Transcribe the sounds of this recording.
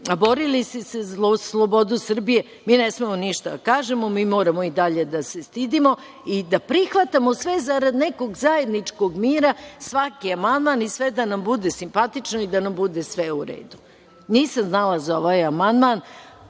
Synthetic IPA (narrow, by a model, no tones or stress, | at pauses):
abo̞ɾilist̪eselslˠobo̞d̪usr̩bije̞ | miːnesmemoniʃt̪ad̪akaːʒemomiːmo̞ːɾamoid̪aʎe̞d̪ase̞st̪id̪imo̞ | id̪apɾixʋat̪amosʋezaɾad̪neko̞ɡzaje̞d̪nit͡ʂkoɡmiːɾasʋakiamand̪manisʋed̪anambud̪esimpat̪it͡ʃnoid̪anambud̪esʋeuɾḛːd̪u | niːsamznalazaoʋajamand̪man